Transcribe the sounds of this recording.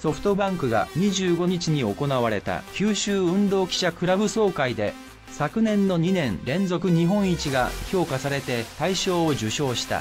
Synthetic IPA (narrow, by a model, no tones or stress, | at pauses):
so̞ɸɯ̟̥t̪o̞bãŋkɯ̟ɡa̰ɲ̟iʑɨːɡo̞ɲit͡ɕiɲ̟io̞ko̞naβaɾe̞t̪a̰kʲɨːɕɨːɯ̟̃nd̪o̞ːkʲi̥ɕakɯ̟ɾabɯ̟so̞ːkaid̪e̞ | sakɯ̟nẽ̞nːo̞ɲ̟inẽ̞nɾẽ̞nzo̞kɯ̟ɲ̟iɦõ̞ɰ̃it͡ɕiɡa̰çʲo̞ːkasaɾe̞t̪e̞t̪aiɕo̞ːoʑɨɕo̞ːɕi̥t̪a̰